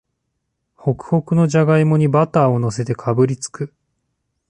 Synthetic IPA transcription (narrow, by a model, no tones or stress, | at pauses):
ho̞kɯ̟̥ho̞kɯ̟no̞ʑaɡaimo̞ɲ̟ibat̪aːo̞no̞s̬e̞t̪ekʰabɯ̟ɾʲit͡sɨ̥kɯ